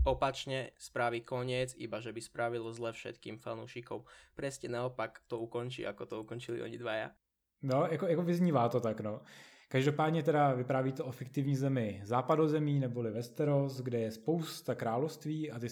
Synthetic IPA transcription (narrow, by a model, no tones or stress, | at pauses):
ɔpat͡ʃɲɛspɾaʋikɔɲɪɛt͡sḭbaʒɛbispɾaʋilɔzlɛfʃɛ̰t̪kḭːmfa̰nuʃikɔmpɾɛscɛnaɔpakt̪ɔukɔnt͡ʃḭʔa̰kɔt̪ɔukɔnt͡ʃilḭʔɔ̰ɲid̪ʋaja̰ | nojakojakovɪzɲiːvaːt̪ot̪aknokaʒdopaːd̪ɲɛt̪̬ɛdavɪpɾaːviːt̪oʔofɪkt̪ɪvɲiːzɛmɪzaːpadozɛmiːnɛbolɪvɛst̪ɛɾosɡdɛjɛspowst̪akɾaːlofst̪viːat̪ɪ